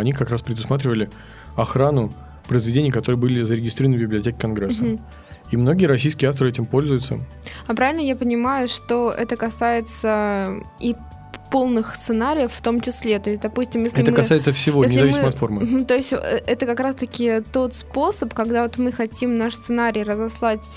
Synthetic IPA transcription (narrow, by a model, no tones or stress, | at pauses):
ɐnʲikɐkɾaspɾʲɪd̪ʊsmat̪̬ɾʲɪvəlʲɪ | ɐxɾanʊ | pɾəɪzvʲɪdʲenʲɪjəkɐt̪o̞ɾɨjəbɨlʲɪzəɾʲɪɡʲɪst̪ɾʲiɾvənvbʲɪblʲɐtʲekʲɪ̥kɐnɡɾɛsːə | imno̞ɡʲɪəɾɐs̬ʲijskʲɪəaft̪əɾɨɛtʲɪmpo̞lʲzʊjʊt̪sə̰ | ɐpɾavʲɪlʲnəjapənʲɪmajʊʂt̪o̞ʔɛt̪əkɐsajɪt̪sə | i | po̞lˠnɨxst̪sɨnaɾʲɪjəfːt̪o̞mt͡ɕɪslʲe̞t̪o̞ɪs̚ʲd̪ɐpusʲtʲɪmjesʲlɛɪmt̪əmkɐajɪt̪səfsʲɪvoenʲɪzʲɐvʲimsɪɨməɐt̪fo̞rmɨt̪o̞ɪsʲtʲɛt̪əkɐkɾast̪əkʲɪt̪o̞t̪spo̞səpkɐɡd̪avo̞t̪mɨxɐtʲimnaʂst̪ɨnaɾʲijrəzɐslˠatʲ